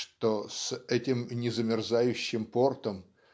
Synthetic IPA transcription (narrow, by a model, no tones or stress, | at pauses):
ʂt̪osɛtʲɪmnʲɪzəmʲɪrzajʉɕːɪmpo̞rt̪əm